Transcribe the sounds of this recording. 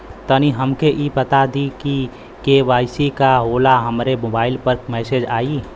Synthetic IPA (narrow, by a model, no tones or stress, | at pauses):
t̪əniɦəmkeʔipət̪ad̪iki | keʋaːɪsikaɦoːlaɦəmɾemoːbaːɪlpəɾkmɛːseːd͡ʒaːi